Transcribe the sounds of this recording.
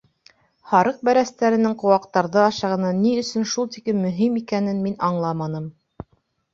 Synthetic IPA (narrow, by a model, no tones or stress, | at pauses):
hɑɾɤq̚bæɾæst̪æɾɘ̆nɘŋqŏwɑqt̪ɑɾðɤɑʃɑʁɤ̆nɑniɵ̆sɵnʃulˠt̪ikɘnmɵ̆ɦimikænɘnminɑɴlˠɑmɑnɤm